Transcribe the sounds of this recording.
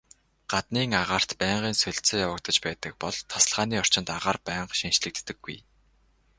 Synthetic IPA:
ɢ̥at̪niːŋaʁaːr̥t̪pæːɴɢiːnsɵɮʲt͡seːjawə̆k̚t̪ə̆t͡ɕpæːt̪ə̆k̚pɔɮt̪ʰːḁsə̆ɮʁaːniːɔr̥t͡ɕɪ̆nt̪aʁaːrpæːɴɢʃinʃɮɘ̆k̚t̪ːɘ̆ɡ̥ːuj

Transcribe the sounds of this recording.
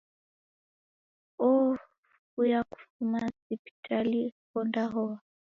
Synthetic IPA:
ɔ | kujaku̥fumasipi̥tʰalikɔndaɦɔa

